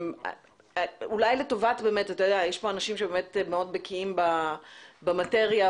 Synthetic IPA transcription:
m | ulajleto̞vatbe̞metatajodeajeʃpo̞anaʃimʃebeme̞tmeo̞dbekʰiimba | bamate̞ʁja

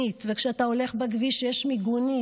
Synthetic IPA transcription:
it̪vekʃeat̪ao̞le̞χbaɡviʃejeʃmiɡuni

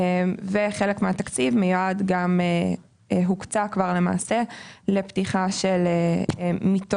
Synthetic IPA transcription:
mveχelekmeat̪akt͡sivmejuadɡame | ɦukt͡sakvaʁle̞ma̰ːsele̞ptiχaʃelemito

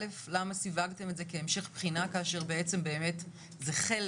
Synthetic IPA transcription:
eflamasivaɡte̞metze̞ke̞ːmʃe̞χpχinakaːʃe̞ʁbe̞et͡se̞mbe̞ːme̞t | zeχel

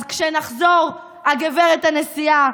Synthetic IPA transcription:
zkʃenaχzo̞ʁ | aɡeveʁet̪hanesia

